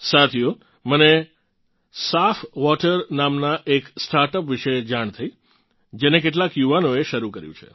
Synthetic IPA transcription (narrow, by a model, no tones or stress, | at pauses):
sat̪ʰio | məne | safʋɔʈəɾnamnaʔeksʈaɾʈəpʋiʃed͡ʒaɳ̃t̪ʰəi | d͡ʒenekeʈ̬lakjuʋanoeʃəɾukəɾjṵ̃t͡ʃʰḛ